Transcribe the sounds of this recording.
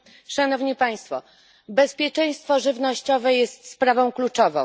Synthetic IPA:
ʂanɔvɲipaj̃st̪fɔ̰ | bɛspʲjɛt͡ʂɛj̃st̪fɔʐɘvnɔɕt͡ɕɔvɛjɛst̪spɾavɔ̃w̃klut͡ʂɔvɔ̰̃w̃

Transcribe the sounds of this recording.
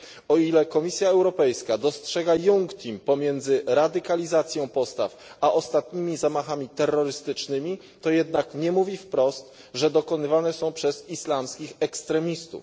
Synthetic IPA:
ɔilɛkɔmʲisʲjaɛwɾɔpɛjskad̪ɔstʂɛɡajuŋkt̪ʲimpɔmʲjɛnd̪zɘɾad̪ɘkalʲizat̪sʲjɔ̃w̃pɔst̪a̰faʔɔst̪at̪ɲimʲizamaxamʲit̪ɛrːɔɾɘst̪ɘt͡ʂnɘmʲi | t̪ɔjɛd̪nakɲɛmuvʲifpɾɔst̪ | ʐɛd̪ɔkɔnɘvanɛsɔ̃w̃pʂɛz̥islamskʲixɛkst̪ɾɛmʲist̪ṵf

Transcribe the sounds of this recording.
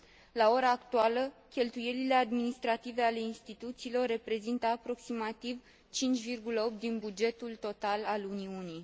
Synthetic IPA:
lao̞ɾaːkt̪ualəkʲe̞lt̪uje̞lile̞ad̪minist̪ɾat̪ive̞ale̞inst̪it̪ut̪siːlo̞rːe̞pɾe̞zint̪əapɾo̞ksimat̪iv | t͡ʃint͡ʃʲvirɡuləo̞p̚t̪̚d̪inbud͡ʒe̞t̪ult̪o̞t̪alaluniunij

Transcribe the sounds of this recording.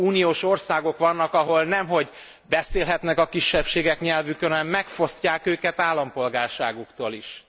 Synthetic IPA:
uːnijoːʃo̞rsaːɡo̞kʋɒnːɒkɒɦo̞lnɛmɦo̞ɟ | bɛseːlɦɛt̪nɛkɒkiʃːɛpʃeːɡɛkɲɛlvykønɒnɛmːɛkfo̞scaːkøːkɛt̪aːlːɒmpo̞lɡaːrʃaːɡukt̪oːliʃ

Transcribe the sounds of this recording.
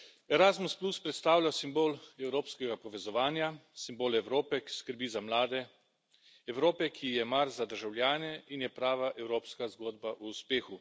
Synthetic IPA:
ɛɾazmuspluspɾɛt̪st̪aːwlʲjasimboːlɛwɾoːpskɛɡapɔʋɛzɔʋaːnjasimboːlɛwɾoːpɛki̥skəɾbiːzamlaːd̪ɛ | ɛwɾoːpɛkʰijɛmaɾzad̪əɾʒawljaːnɛinjɛpɾaːʋaʔɛwɾoːpskazɡoːd̪baʔuːspeːxu

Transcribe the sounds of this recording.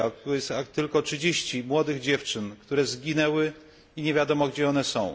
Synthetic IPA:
aksat̪ɘlkɔtʂɘd͡ʑeɕt͡ɕimwɔd̪ɘɣd͡ʑɛft͡ʂɘnkt̪uɾɛzɡʲinɛwɘ | iɲevʲjad̪ɔmɔɡd͡ʑɛɔnɛsɔ̃w̃

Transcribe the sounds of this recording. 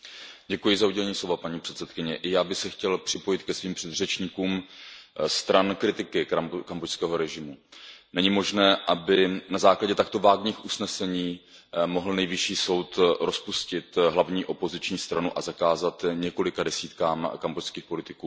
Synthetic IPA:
ɟɛkujɪzauɟɛlɛɲiːslo̞vapaɲiːpr̥ɛt̪sɛt̪kɪɲɛʔɪjaːbɪxsɛxcɛlpr̝̥ɪpo̞jɪt̪kɛsviːmpr̥ɛd̪r̝ɛt͡ʃɲiːkuːm | st̪ɾankɾɪt̪ɪkɪakambojskɛːɦo̞ɾɛʒɪmunɛɲɪmo̞ʒnɛːʔabɪnazaːklaɟɛt̪ak̚t̪o̞vaːɡɲiːxʔusnɛsɛɲiː | mo̞ɦl̩nɛjvɪʃiːso̞wt̪ɾʔo̞spuscɪt̪ɦlavɲiːʔo̞po̞zɪt͡ʃɲiːst̪ɾanuʔazakaːzat̪ɲɛko̞lɪkadɛsiːt̪kaːmkambocskiːxpo̞lɪt̪ɪkuː

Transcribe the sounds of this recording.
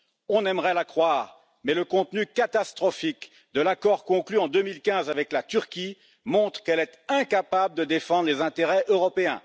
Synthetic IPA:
ɔ̃nɛmʁɛlakχwaːʁ | mɛləkɔ̃t̪nykat̪ast̪χɔfik | d̪əlakɔʁkɔ̃klyɑ̃d̪ømilkʲɛ̃zavɛklat̪yʁkʲi | mɔ̃t̪χə̥kɛlɛt̪ɛ̃kapabləd̪əd̪efɑ̃d̪ʁlezɛ̃t̪eʁɛʔøʁɔpeɛ̰̃

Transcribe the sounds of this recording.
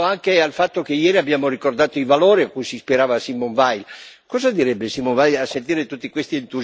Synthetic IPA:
aŋkealfat̪ːokejɛːɾiabːjaːmorikord̪aːt̪oivaloːɾiakːujsispiɾaːvasimoɱvajl | kɔːzad̪iɾɛbːesimːonvajlasːent̪iːɾet̪ut̪ːikwest̪ient̪uz

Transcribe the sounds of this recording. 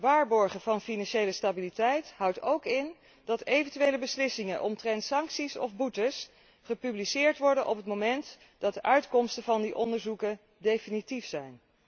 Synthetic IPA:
ʋaːɹbɔɹχəvɑnfinɑnʃejləstabilitɛjtɦɑwtowkɪn | dɑtejvəntyʋejləbəslɪsɪŋənʔɔmtrɛntsɑŋksisɔ̰vbutəs | χəpyblisɪːɹtʋɔɹdənʔɔpɦətmomɛnt | d̥ɑt̚dəʔœɥtkɔmstəvɑndiʔɔndəɹzukən | dejfinitifsɛjn

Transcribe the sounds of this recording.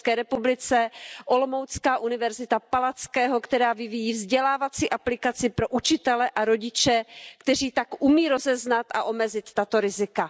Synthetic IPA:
skɛːɾɛpublɪt͡sɛʔo̞lomowt͡skaːʔunɪvɛɾzɪt̪apalat͡skɛːɦo̞kt̪ɛɾaːvɪvijiːvzɟɛlaːvat͡siːʔaplɪkat͡sɪpɾo̞ʔut͡ʃɪt̪ɛlɛʔaɾo̞ɟɪt͡ʃɛkt̪ɛr̝iːt̪akʔumiːɾo̞zɛznat̪aʔo̞mɛzɪt̪ːat̪oɾɪzɪka

